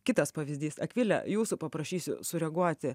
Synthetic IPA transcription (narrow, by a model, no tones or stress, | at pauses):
kʲɪt̪ɐspɐʋʲɪzʲd̪ʲiːsɐkʋʲɪlʲɛ̰juːsʊpɐpɾɐʃʲiːsʲʊ̰sʊɾʲɛɡuɔt̪ʲɪ